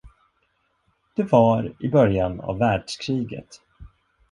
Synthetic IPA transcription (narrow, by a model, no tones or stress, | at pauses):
d̪̥ɵvaɾɪbœɾjana̰vːæːɖʂkʰɾiːɡə̰t̪